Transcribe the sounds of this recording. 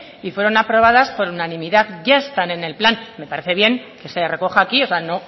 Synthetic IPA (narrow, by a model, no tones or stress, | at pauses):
ifwe̞ɾo̞napɾo̞β̞að̞aspo̞ɾunanĩmiðaðʝaest̪ane̞ne̞lplanme̞paɾe̞θe̞β̞je̞ŋke̞se̞re̞ko̞xaːkio̞seano̞